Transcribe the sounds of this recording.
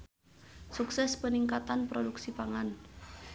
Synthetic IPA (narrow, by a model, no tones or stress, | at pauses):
suksɛspəniŋkat̪anpɾoduksipaŋan